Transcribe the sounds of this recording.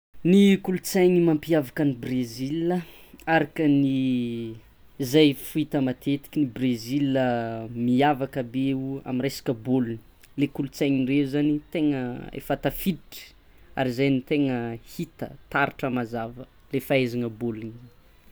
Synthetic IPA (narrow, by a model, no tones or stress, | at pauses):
nikulut͡sajɲimampiavakənibreziliə | aɾakəni | zajfuit̪əmat̪et̪i̥kʲinibreziləmiavakəbeua̰minresḁkəboluni̥ | lekulut͡sajɲireuzanit̪eŋəḛfat̪afidiʈ͡ʂə̥ | a̰ɾizajnit̪eŋəhit̪ə̰t̪aɾiʈ͡ʂəmazavə | lefaezaŋəboluni